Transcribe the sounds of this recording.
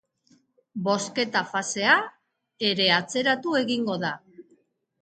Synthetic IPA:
bo̞ske̞t̪afase̞a | e̞ɾe̞at͡se̞ɾat̪ue̞ɣiŋɡo̞ða

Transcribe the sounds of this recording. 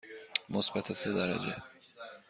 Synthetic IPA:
mosbæt̪ʰesed̪æɾæ̰d͡ʒḛ

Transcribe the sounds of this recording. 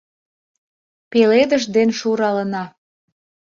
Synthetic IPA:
peled̪əʃd̪enʃuɾɑlənɑ

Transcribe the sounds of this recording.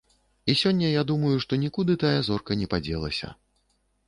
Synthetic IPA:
isʲɔnʲːɐjad̪umɐjuʂt̪ɔnʲikud̪ɨt̪ajɐzɔrkɐnʲɛpad͡zʲɛlˠɐ̰sʲɐ̰

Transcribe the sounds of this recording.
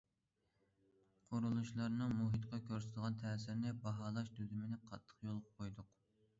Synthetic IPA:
qʰoɾulˠuʃlˠɑɾnɨŋmuɦɨt̪qɑkʲʰøɾsɪt̪əʁɑnt̪ʰɛːsɪɾnɪbɑɦɑːlˠɑʃd̪yd̪ymɪnɪqʰɑt̪ʰːə̥qjolˠʁqʰojd̪ʊq

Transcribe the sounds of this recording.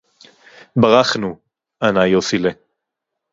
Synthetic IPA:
baʁaχnu | anajosile

